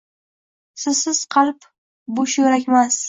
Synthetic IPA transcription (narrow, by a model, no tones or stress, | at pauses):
sɪzsɪz̥qʰɑlˠp | bʊʃjoɾakʲmas